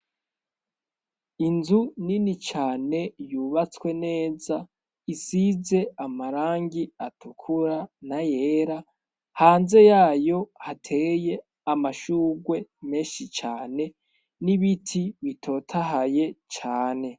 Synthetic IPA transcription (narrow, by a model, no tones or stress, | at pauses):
inzuninit͡ʃaːne̞juβat͡skwe̞ne̞ːza | isize̞amaɾaːŋɡiatʰukʰuɾanajeːɾa | haːnze̞jaːjo̞hatʰe̞je̞ | amaʃuːɡwe̞me̞ːnʃit͡ʃaːne̞ | niβitʰiβitʰo̞tʰaɦaje̞t͡ʃaːne̞